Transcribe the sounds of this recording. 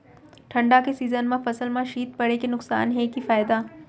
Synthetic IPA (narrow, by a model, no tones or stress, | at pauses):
ʈʰɐ̃ɳɖakesiːzənmãfɐsəlmãʃiːt̪̚pɐɽekenʊksa̰ːnɦɛkifaːɪd̪aː